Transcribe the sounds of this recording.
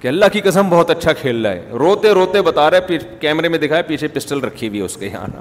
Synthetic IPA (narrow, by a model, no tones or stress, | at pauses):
kiɐlːaɦkikɐsəmbɔɦːɔt̪ɐtːʃʰakʰeːld͡ʒa̰ːɛ̰ːɾoːt̪ẽɾoːt̪ebɐt̪aːɾaɛpikɛːmɾemẽd̪ɪkʰaːɛpiːt͡ʃʰepɪsʈəlɾɐkʰiebʱiɛʊskeja̰ːna̰